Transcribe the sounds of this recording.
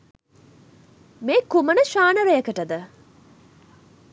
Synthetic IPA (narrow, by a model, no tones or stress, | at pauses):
meːkumənəʃaːnəɾejəkəʈəd̪ə